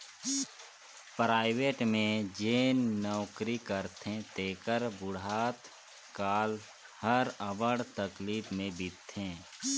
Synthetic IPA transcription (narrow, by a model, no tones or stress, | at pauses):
pɾaːɪʋeːʈmẽd͡ʒeːnːɔːkɾikəɾt̪ʰẽt̪eːkəɾbʊɽaːt̪ | kaːl | həɾəʋəɽt̪əkliːbmẽbɪt̪ʰːẽː